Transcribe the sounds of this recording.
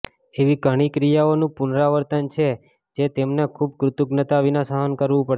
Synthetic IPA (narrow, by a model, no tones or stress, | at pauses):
eʋiɡʱəɽ̃ikɾijaonũpunɾaʋəɾt̪ənt͡ʃʰe | d͡ʒet̪emnekʰub̚kɾʊt̪uɡnət̪aʋinasaɦənkəɾʋũpəɽ